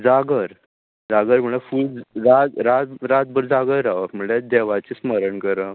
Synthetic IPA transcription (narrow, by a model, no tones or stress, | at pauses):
d͡zaɡəɾ | d͡zaɡəɾm̤əɳ̃efuld͡zɾat̪ɾat̪ɾat̪̚bəɾd͡zaɡəɾaʋəm̤əɳled̪eʋat͡ɕisməɾəɳkəɾə